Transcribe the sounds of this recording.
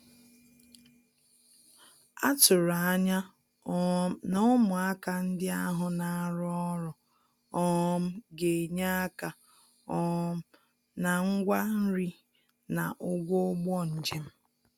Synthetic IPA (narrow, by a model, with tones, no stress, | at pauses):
a˦tʊ˨ɾa˨a˦ɲa˦ | nɔ˦mʊ˨a˦ka˨n̩˦dɪ˦a˦ɦʊ˨na˨a˦ɾɔ˦ɔ˦ɾɔ˨ | ɔ˦m̩˦ɡe˨ɲa˦a˦ka˨ | ɔ˦m̩˦ | na˨ŋ̩˦ɡʷa˦n̩˦ɾi˦ | na˨ʔʊ˦ɡʷɔ˦ɡ͡bɔ˦n̩˨d͡ʒe˦m̩˦